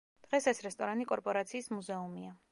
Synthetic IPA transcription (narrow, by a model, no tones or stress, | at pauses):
d̪̥ʁɛsɛsɾɛst̪ʼɔɾanikʼɔɾpʼɔɾat̪sʰiːsmuzɛumia